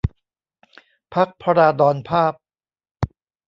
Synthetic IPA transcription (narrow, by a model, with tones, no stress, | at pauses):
pʰa˦˥k̚pʰa˧ɾaː˧dɔː˧npʰaː˥˩p̚